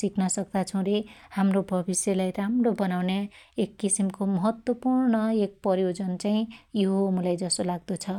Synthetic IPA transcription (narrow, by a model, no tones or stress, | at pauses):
siknʌsʌk̚d̪at͡sʰʌ̃w̃ɾehamrobʱʌbisjelajɾamrobʌnawneekːisimkomʌɦʌt̪wʌpurnʌek̚pʌɾjod͡zʌnt͡saĩjoɦmulajd͡zʌsolaɡ̚d̪ʌt͡sʰʌ